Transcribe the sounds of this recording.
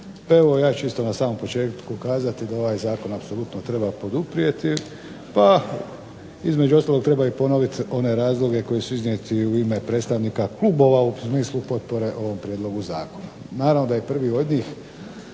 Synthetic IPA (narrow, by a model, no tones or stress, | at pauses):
paeʋo̞jaːt͡ʃist̪o̞nasaːmo̞mpo̞t͡ʃe̞ːt̪kukaːzat̪id̪ao̞ʋaːjzaːko̞napsolut̪not̪ɾe̞bapo̞d̪upɾije̞t̪i | pa | izme̞d͡ʒuost̪aːlo̞kt̪ɾebaipo̞noʋit̪o̞ne̞ɾaːzlˠo̞ɡe̞ko̞jesuiznijet̪iuime̞pɾet̪st̪aʋnikaklubo̞ʋausmiːslupo̞t̪̚po̞ɾe̞ʔo̞ʋo̞mpɾjed̪lo̞ɡuza̰ːko̞na | naːɾaʋno̞d̪ajepr̩ʋio̞d̪ɲiːx